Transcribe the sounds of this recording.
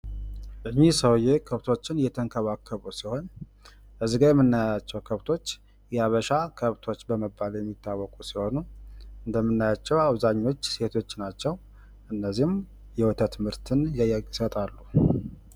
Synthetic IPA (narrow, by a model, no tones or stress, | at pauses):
ʔɨɲːisəwjekʰəβt̪ʰo̞t͡ʃːɪnjɛt̪ʰəŋkʰəβakʰːəβusiho̞n | ʔəzɡajɛmːɨnːajat͡ʃːɛwkʰəβt̪ʰo̞t͡ʃː | jɛaβəʃakʰəβt̪ʰo̞t͡ʃːbəməbːaljɛmːit̪ʰːawːɔkʼusiho̞nuɨnd̪əmːɨnːajat͡ʃːɛwaβzaɲːo̞t͡ʃːse̞t̪ʰo̞t͡ʃːnat͡ʃːɛw | ʔɨnːəzːihm | jɛwʊt̪ʰət̪ʰmɨɾt̪ʰɨnjjisət̪ʼalːu